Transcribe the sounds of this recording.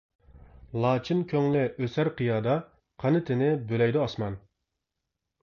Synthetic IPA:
lˠɑːt͡ʃʰinkʲʰøŋlɪʔøsæɾqʰijɑːd̪ɑ | qʰɑnɨt̪ʰɪnɪbølɛjd̪uɑsmɑn

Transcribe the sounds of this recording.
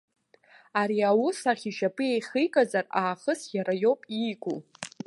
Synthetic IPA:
aɾiawʊsaχʲiʃapʼɨejχijkʼazaraːχəsjaɾajo̞wpʼiɡʷʼu

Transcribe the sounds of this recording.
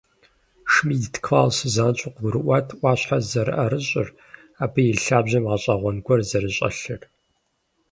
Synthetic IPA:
ʂmiːdtʰkʰfaːlsɨzaːnt͡ʃʼʊqɡʷʊɾɨʔʷatʰʔʷɑːɕħazɐɾɨ̰ʔɐɾɨɕʼɪr | aːbɨjɪɬaːbʑɐmʁɐɕʼɐʁʷɔnɡʷɔrzɐɾɨɕʼɐ̰ɬɨr

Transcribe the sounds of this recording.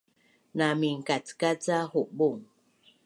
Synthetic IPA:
namiŋkat͡skat͡sahuʔbuŋ

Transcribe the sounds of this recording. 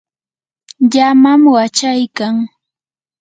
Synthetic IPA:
ʎamamwat͡ʃajkaŋ

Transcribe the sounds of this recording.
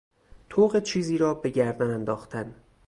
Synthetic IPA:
t̪ʰoːɣet͡ʃʰiːziːɾɒːbe̞ɟæɾd̪ænænd̪ɒːxt̪ʰæn

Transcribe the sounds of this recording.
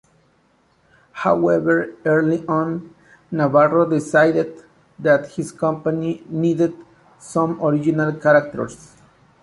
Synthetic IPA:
hawɛvə˞ɛɹliʔɔ̃nː | avarod̪ɪsajdɪd̪ | ðæt̪hiskʌ̃mpaninided̪ | sʌ̃moɹid͡ʒinalkaɾak̚tə̰˞s

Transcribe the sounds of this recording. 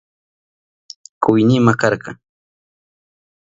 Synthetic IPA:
kʊjnɪmakɑɾkɑ̰

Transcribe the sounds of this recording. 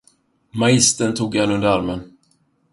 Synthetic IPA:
maɪst̪ənt̪ʰuːɡanɵnd̪əɾaɾmən

